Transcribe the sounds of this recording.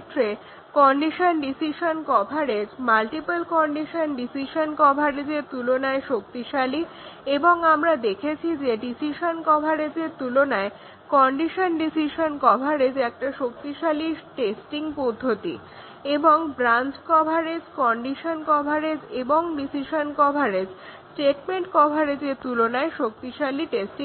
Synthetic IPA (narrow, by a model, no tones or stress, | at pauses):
ʈ̪ːɾe | kɔɳɖiʃonɖisiʃonkɔbʱaɾed͡ʑmalʈipalkɔɳɖiʃonɖisiʃonkɔbʱaɾed͡ʑeɾt̪ulonaeʃokt̪iʃali | eboŋamɾad̪ekʰet͡ɕʰid͡ʑeɖisiʃonkɔbʱaɾed͡ʑeɾt̪ulonae | kɔɳɖiʃonɖisiʃonkɔbʱaɾed͡ʑɛk̚ʈaʃok̚t̪iʃaliʈesʈiŋpod̪ʱːot̪ḭ | eboŋbɾant͡ɕkɔbʱaɾed͡ʑkɔɳɖiʃonkɔbʱaɾed͡ʑeboŋɖisiʃonkɔbʱaɾed͡ʑsʈeʈmeɳʈkɔbʱaɾed͡ʑeɾt̪ulonaeʃok̚t̪iʃaliʈesʈi